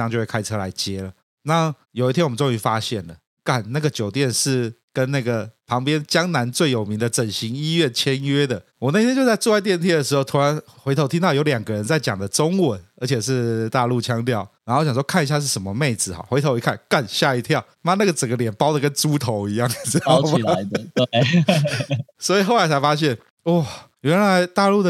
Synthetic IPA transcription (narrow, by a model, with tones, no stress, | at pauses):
ŋt͡ɕo˥˧we˥˩kʰa˥ɪʈ͡ʂʰɤ˥la˧˥ɪt͡ɕjɛ˥lə˩ | na˥˨ | jo˨ʊi˥t̪ʰjɛ˥wm˧˦nt͡so˥˧ŋy˥˩fa˦ɕjɛ˥˩nlə˩ | ka˥˩nna˥˩ɡə˩t͡ɕjo˨˩ʊt̪̬jɛ˥˧nʂɻ̩˥˩kə˦˥nna˥˩ɡə˩pʰɑ˧˥ŋpjɛ˥˦nt͡ɕjɑ˥ŋna˧˦˥nt͡swe˥˩ɪjo˨˩ʊmi˧˥ŋd̪ə˧ʈ͡ʂə˨˩nɕi˧˦ŋi˥ɥɛ˥˩nt͡ɕʰjɛ˦˥nɥɛ˥d̪ə˨ | wɔ˨˩na˥˩ɪt̪ʰjɛ˥t͡ɕo˥˧ʊt͡sa˥˧ɪʈ͡ʂu˥˧wa˥˧ɪt̪jɛ˥˧nt̪ʰjɛ˥d̪ə˩ʂ̬ɻ̩˧xo˧ʊt̪ʰu˧˥ɻa˧˦nxwe˧ɪt̪ʰo˧˥ʊt̪ʰi˥nt̪ɑ˥˩ʊjo˧˥ʊljɑ˨˩ŋɡə˦ɻə˧˦nt͡sa˥˩ɪt͡ɕjɑ˨˩ŋd̪ə˦ʈ͡ʂo˥ŋwə˨˩˦nə˞˧˥t͡ɕʰjɛ˨˩ʂ̬ɻ̩˥˧t̪a˥˧lu˥˩t͡ɕʰjɑ˥ŋt̪jɑ˥˩ʊɻa˧˥nxo˥˩t͡ɕjɑ˨˩ʂwɔ˥kʰa˥˩ni˧ɕja˥˧ʂ̬̩˥˩ʂə˧˨˦mə˧me˥˩ɪd͡zɹ̩˨˩xɑ̰˨˦xe˧˥ɪt̪ʰo˧˥ʊi˧˥kʰa˥˩nka˥˧nɕja˥˩i˧˥t̪ʰjɑ˥˨ʊna˥˧˦na˥˩ɡə˩ʈ͡ʂə˨˩ŋɡə˦ljɛ˨˩npɑ˥ʊd̪ə˨kə˦˥nʈ͡ʂu˥t̪ʰo˧˥ʊi˧˥jɑ˥˨ŋ˥ma˨˧˦ | swɔ˧˥i˨˩xo˥˩ʊla˧˥ɪt͡sʰa˧˥ɪfa˥ɕ̬jɛ˥˩n | wɔ˥˩ | ɥɛ˧˥nla˧˥ɪt̪a˥˧lu˥˩ə˨